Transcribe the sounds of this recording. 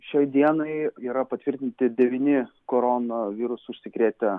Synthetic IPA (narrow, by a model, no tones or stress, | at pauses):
ʃʲɛɪd̪ʲiɛnɐɪiːɾɐpɐt̪ʲʋʲɪɾʲt̪ʲɪnʲt̪ʲɪd̪ʲɛʋʲinʲɪkoːɾoːnoʋʲiːɾʊsʊʃʲsʲɪkɾʲeːt̪ʲɛ